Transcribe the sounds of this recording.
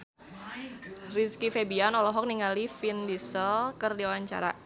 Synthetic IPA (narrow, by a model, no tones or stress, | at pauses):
riskifebianɔlɔɦɔk̚niŋalifindisəlkərdiowaɲt͡ʃa̰ɾa̰